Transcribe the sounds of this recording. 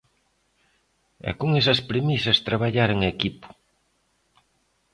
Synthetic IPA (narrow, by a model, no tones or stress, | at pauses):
ɛ̰kuŋesɐspɾemisɐst̪ɾaβaʎaɾeŋekipʊ̥